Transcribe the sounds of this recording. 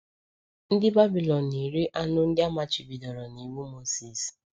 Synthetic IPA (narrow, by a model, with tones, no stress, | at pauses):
n̩˦dɪ˦ba˦bi˨lɔ˨nːi˨ɾi˦ʔa˦nʊ˦n̩˦dɪ˦a˦ma˨t͡ʃi˨bi˨dɔ˨ɾɔ˨ni˨wu˦mo˦si˨s